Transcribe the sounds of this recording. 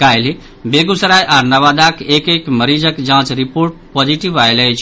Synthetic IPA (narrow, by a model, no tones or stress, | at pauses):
kajli | beɡusəɾajʔaɾnaβad̪akekekməɾid͡ʒəkd͡ʒãt͡ʃɾipoɾʈ̚pod͡ʒiʈibajləjt͡ʃʰ